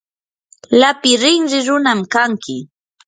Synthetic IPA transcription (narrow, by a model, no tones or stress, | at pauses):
lapɪɾɪŋɾɪɾʊnamkaŋkɪ